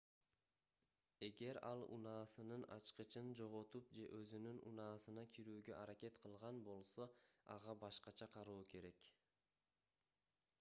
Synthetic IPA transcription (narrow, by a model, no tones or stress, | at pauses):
e̞ɡe̞ɾɑlˠṵnɑːsɯnɯnɑ̰t͡ʃqɯt͡ʃɯnd͡ʒo̞ʁot̪up̚d͡ʒe̞ʔøzynynṵnɑːsɯnɑkʰiɾyːɡø̞̰ʔɑɾake̞t̪qʰɯlˠʁɑnbo̞lˠso̞ɑ̰ʁɑbɑʃqɑt͡ʃʰɑqʰɑɾuːke̞ɾe̞k